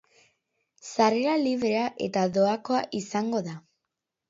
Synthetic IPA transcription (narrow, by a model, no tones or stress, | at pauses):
saɾe̞ɾaliβɾe̞aʔe̞t̪aðo̞ako̞aʔisaŋɡo̞ða